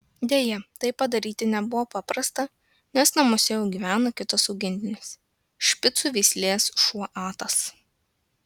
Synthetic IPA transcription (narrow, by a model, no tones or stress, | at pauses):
d̪ʲeːjɛt̪ɐɪppːɐd̪ɐɾʲiːt̪ʲɪnʲɛbʊʋoːpɑpɾɐst̪ɐ | nʲɛsnɐmoːsʲɛjɛʊɡʲiːʋʲæːnokʲɪt̪ɐsɒʊɡʲɪnʲd̪ʲɪnʲɪs | ʃʲpʲɪt̪suʋʲɛɪsʲlʲeːsʃuɔʔɑːt̪ɐs